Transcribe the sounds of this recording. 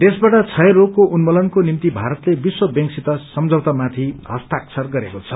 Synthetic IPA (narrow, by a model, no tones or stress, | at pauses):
t̪esbaʈʌt͡sʰʌjɾokkːoʔunmolʌnkonimt̪ibʱaɾʌt̪lebiswʌbjʌ̃ŋksit̪ʌsʌmd͡zʱʌwt̪amat̪ʰiɦʌst̪aksʰʌrɡʌɾekot͡sʰʌ